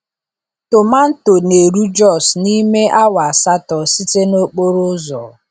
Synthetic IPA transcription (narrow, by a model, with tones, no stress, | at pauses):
tʊ˨ma˦n̩˦to˨ne˨ɾu˦d͡ʒɔ˦˨sni˦me˦ʔa˦wa˨a˨sa˦tɔ˨si˦te˦no˦k͡po˦ɾʊ˦zɔ˨